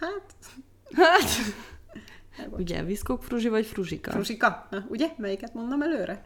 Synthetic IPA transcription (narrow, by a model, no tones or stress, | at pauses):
hat̪ | hat̪ | uɟɛ̰viskokfruʒivɒcfruʒikɒ̰fruʒikɒnɒuɟɛmɛjikɛt̪mo̞nd̪omɛløːɾʔɛ